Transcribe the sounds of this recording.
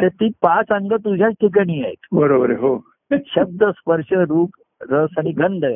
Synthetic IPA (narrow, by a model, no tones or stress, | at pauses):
ʈet̪iːpat͡səŋɡət̪̬ud͡ʑʱjat͡sʈʰik̬aɽ̃iːaɦet̪bəɾobəɾeɦo | ɕəb̚d̪əspəɾʂəɾuːp | ɾəsaɽ̃iɡəɳɖʱə